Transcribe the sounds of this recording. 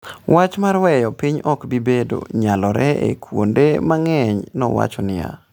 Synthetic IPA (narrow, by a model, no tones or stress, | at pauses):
wʔat͡ʃmarwɛjɔpiɲɔkbibedo̰ɲalɔɾɛḛkʰwo̰ndemaŋɛɲnɔ̰wa̰t͡ʃɔnɪja̰